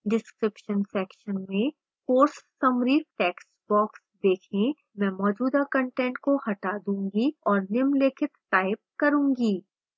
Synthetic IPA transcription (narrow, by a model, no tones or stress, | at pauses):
ɖɪskɾɪpʃənsɛːkʃənmẽ | koːɾsːɐmɾiːfʈɛːks | bɔːksd̪eːkʰẽ | mɛ̃ːmɔːd͡ʒuːd̪akɐ̃ɳʈɛ̃ːɳʈ̚kohɐʈaːd̪ũːŋɡiɔːɾnɪmlɪkʰɪt̪ːaːɪp̚kɐɾũːŋɡiː